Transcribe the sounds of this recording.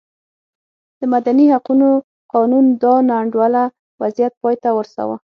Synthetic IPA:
d̪̥əmad̪anihaquno | qɑnund̪ɑnaɳɖwala | wazijat̪̚pɑjt̪awəɾsa̰wa̰

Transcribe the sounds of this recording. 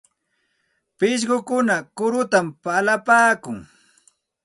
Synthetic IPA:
pɪʃ̬ɢʊkʊnakʊɾʊt̪ampalapaːkʊŋ

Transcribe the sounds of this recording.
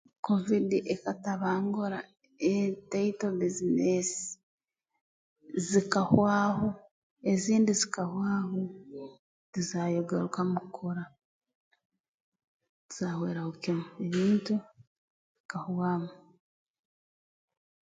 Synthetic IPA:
kovidiʔekataβaːŋɡoɾa | eteitobizinesi̥ | zikahwaːho | eziːndizikahwaːɦo | zizajoɡeɾukamukʰoɾa | ziz̥aːhweːɾahukimueβiːntu | βikahwaːma

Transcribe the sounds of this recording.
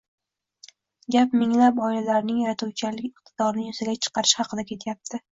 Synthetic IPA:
ɡʲapmɪŋlapɒɪlalaɾnɪŋjaɾat̪uwt͡ʃʰalɪkʲɪqt̪ʰɪd̪ɒɾnɪjʊzaɡʲat͡ʃʰɨ̥qɑɾɪʃhɑqʰɨd̪akʲʰe̞t̪ʰjap̚t̪ʰɪ

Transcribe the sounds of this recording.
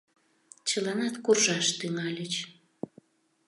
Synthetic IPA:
t͡ɕəlɑnɑt̪kurʒɑʃt̪yŋɑlʲət͡ɕ

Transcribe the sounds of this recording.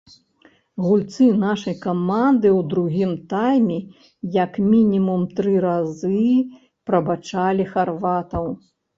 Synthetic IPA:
ɣulʲt̪sɨnaʂɐjkamand̪ɨwd̪ɾuɣʲimt̪ajmʲɛ | jɐkmʲinʲimumt̪ɾɨɾazɨ | pɾɐbat͡ʂalʲixarvat̪ɐw

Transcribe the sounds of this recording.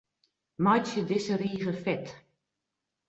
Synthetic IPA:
mɑjt͡ʃədɪsəɾiːɣəfɛt

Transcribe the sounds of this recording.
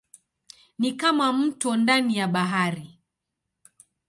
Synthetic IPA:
nikamam̩tɔndanijaɓaɦaɾi

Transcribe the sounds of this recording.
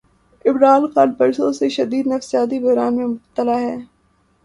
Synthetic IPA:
ɪbɾaːlxalpɐɾsoseʃɐd̪iːd̪nɐfsijaːt̪̬ibɐɦɾaːnmẽmʊb̚t̪ːəlaɦɛː

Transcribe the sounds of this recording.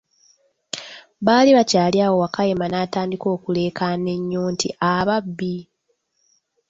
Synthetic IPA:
βaːliβacaːljaːwo̞wakajemanaːtaːndiko̞ːkule̞ːkane̞ɲːuːntḭʔaβabːi

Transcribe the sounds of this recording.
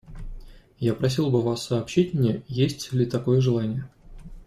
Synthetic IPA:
japɾɐs̬ʲilˠbɨvasːɐːpɕitʲmnʲejesʲtʲlʲɪt̪ɐko̞jəʐɨlˠanʲɪjə

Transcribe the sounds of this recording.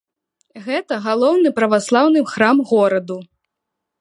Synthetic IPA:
ɣɛt̪ɐɣalˠɔwnɨpɾɐvaslˠawnɨxɾamɣɔɾɐd̪u

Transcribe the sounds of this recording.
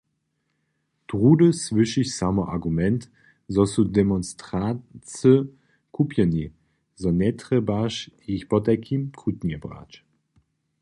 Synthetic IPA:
d̥ʁuːdəsvʏʃiçsamɐʔa̰ɡumɛnt | zɔsudemɔnstʁat͡sə | kʰupjəni | zɔnɛtʁəbaʃiçbɔtakʰimkʰutnɛbʁa̰ːt͡ʃ

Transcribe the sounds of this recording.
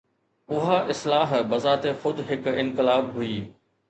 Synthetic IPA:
ʊɦaʔɪslaːɦbɐzaːt̪exʊd̪ʱɦɪkɪ̃nkɪlaːbɦʊiː

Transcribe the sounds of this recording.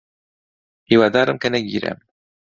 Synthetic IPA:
hiːwɑːd̪ɑːɾɨmkɐnɛɡḭːɾɛ̰m

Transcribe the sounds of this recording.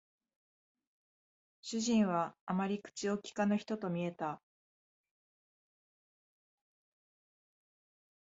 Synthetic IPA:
ɕɨʑĩɰ̃βaːmaɾʲikɯ̟̥t͡ɕiokʲi̥kanoçi̥t̪o̞t̪o̞mʲie̞t̪a

